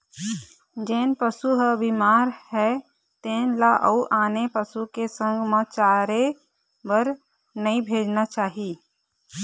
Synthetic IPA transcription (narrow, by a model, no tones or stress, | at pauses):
d͡ʒeːnpəsuɦəbimaːɾhɛ | t̪eːnlaʔəuʔaːnepəsukesə̃ŋɡmə̃t͡ʃaːɾe | bəɾ | nəĩbʱeːd͡ʒnat͡ʃaːɦi